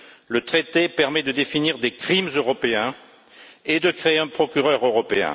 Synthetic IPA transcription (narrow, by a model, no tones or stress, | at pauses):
lət̪χet̪epɛʁmɛd̪əd̪efiniʁd̪ekχimzøʁɔpeɛ̃ | ed̪əkχeeɛ̃pχɔkʲyʁœʁøʁɔpeɛ̰̃